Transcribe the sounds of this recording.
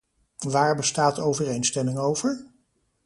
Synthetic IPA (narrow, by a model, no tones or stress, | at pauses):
ʋaːɹbəstaːtowvərejnstɛmɪŋowv̥əɹ